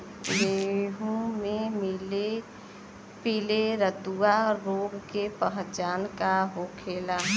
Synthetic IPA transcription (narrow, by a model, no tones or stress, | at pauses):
leːɦumemɪle | pileɾəd̪uaɾoɡkepəɦt͡ʃaːnkaɦoːkʰeːla